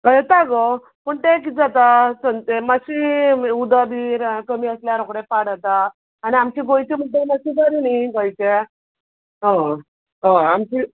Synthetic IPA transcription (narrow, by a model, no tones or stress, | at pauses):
əjet̪aɡɔ | pəɳt̪ek̬id͡zat̪asənt̪emaɕiud̪ad̪iːɾkəmiəsljaɾokɽepaɽat̪aː | niamt͡ɕiɡojt͡ɕem̤əɳt̪emasibʱəɾinaɡojt͡ɕe | ɦɔ̃ | ɦõamt͡ɕi